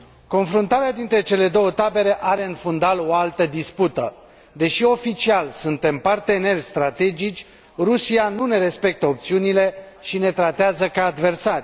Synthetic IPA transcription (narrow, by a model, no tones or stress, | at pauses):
ko̞nfɾunt̪aɾead̪int̪ɾe̞t͡ʃe̞le̞d̪o̞wət̪abe̞ɾe̞ʔaɾe̞ɨnfund̪alo̞alt̪əd̪isput̪ə | d̪e̞ʃio̞fit͡ʃialsunt̪e̞mpart̪e̞ne̞rʲst̪ɾat̪e̞d͡ʒit͡ʃʲ | rusianune̞ɾe̞spe̞k̚t̪əop̚t̪siunile̞ | ʃine̞t̪ɾat̪eazəkaːd̪ve̞rsarʲ